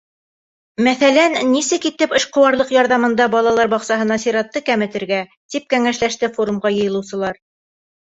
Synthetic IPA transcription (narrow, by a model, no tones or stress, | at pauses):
mæθælænːisɘkit̪ɘpɤ̆ʃqŏwɑɾlˠɤqjɑɾðɑmɤ̆nd̪ɑbɑlˠɑlˠɑɾbɑqsɑɦɤ̆nɑseɾɑt̪ːɤkæmɘ̆t̪ɘ̆ɾɡæ | t̪ip̚kæŋæʃlæʃt̪ɘfoɾumʁɑjɤ̆jɤ̆lˠɤwsɤ̆lˠɑɾ